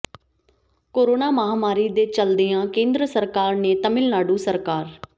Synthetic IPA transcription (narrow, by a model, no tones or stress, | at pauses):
koːɾoːnaːməɦaːmaːɾiːd̪eːt͡ʃəld̪eːãːkẽːnd̪ɾəsəɾkaːɾneːt̪əmɪlnaːɖũːsəɾkaːɾ